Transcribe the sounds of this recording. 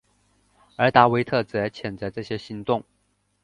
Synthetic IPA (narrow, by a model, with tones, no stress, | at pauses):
ə˞˧˥t̪a˧˥we˧˥ɪt̪ʰɤ˥˩t͡sɹ̩˨˩a˧˥ɪt͡ɕʰjɛ˨˩nt͡sə˧˥ʈ͡ʂɤ˥˩ɕjɛ˥ɕi˧˥˦ŋt̪ʊ˥˩ŋ